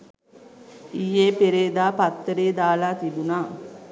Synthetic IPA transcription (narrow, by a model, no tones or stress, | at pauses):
ijeːpeɾeːd̪aːpat̪ːəɾeːd̪aːlaːt̪ibunaː